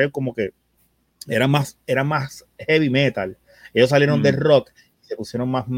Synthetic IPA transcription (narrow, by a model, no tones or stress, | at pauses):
eoko̞mo̞ke̞ | e̞ɾamase̞ɾamas | heβime̞t̪al | e̞ʝos̬ːalje̞ɾo̞nd̪e̞ro̞k | ise̞pusje̞ɾo̞ŋmasm